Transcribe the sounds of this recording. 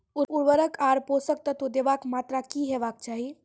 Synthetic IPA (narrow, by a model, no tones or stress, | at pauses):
uuɾʋəɾəkʰaɾposək̚t̪ət̪ud̪eʋakmat̪ɾakiɦeʋak̚t͡ʃaːɦi